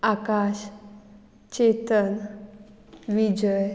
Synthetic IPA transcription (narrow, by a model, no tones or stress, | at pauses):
akaɕ | t͡ɕet̪ən | ʋid͡ʑəj